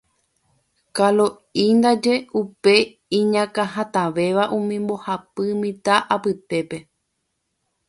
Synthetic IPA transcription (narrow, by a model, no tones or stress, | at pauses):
kalo | ind̪ad͡ʒe̞upe̞ | ĩɲãkaɦat̪aʋe̞ʋaʔũmĩmbo̞hapɨmĩt̪aʔapɨt̪e̞pe̞